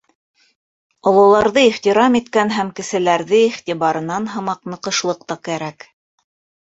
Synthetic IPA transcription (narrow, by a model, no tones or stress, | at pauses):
ŏlˠɤ̆wlˠɑɾðɤiχt̪iɾɑmit̪kænɦæmkɘ̆sɘ̆læɾðɘiχt̪iβɑɾɤ̆nɑnɦɤ̆mɑqnɤ̆qɤ̆ʃlˠɤq̚t̪ɑkæɾæk